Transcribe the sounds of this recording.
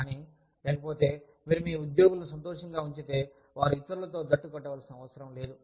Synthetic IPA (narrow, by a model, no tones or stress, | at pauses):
kaːni | lɛːkɐpoːt̪e̞ː | miːɾumiːud̪jo̞ːɡulɐnus̬ɐnt̪ɔːʂɐŋɡaːuɲt͡ʃit̪eː | ʋaːɾuit̪ːɐɾulɐt̪o̞ːd̪ɐʈːukɔʈːɛʋaːlɐsinɐʋɐt̪sɐɾɐmle̞ːd̪u